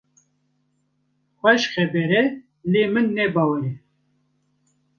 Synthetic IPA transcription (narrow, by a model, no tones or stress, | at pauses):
xʷɛʃxɛbɛɾɛ | leːmɨnːɛbɑːwɛɾɛ